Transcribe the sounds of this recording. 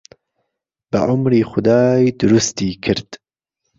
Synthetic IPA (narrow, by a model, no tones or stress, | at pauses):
b̥ɐ̰ʕʊmɾiːxʊd̪ɑːjd̪ʊɾust̪iːkʰɨɾd̪̥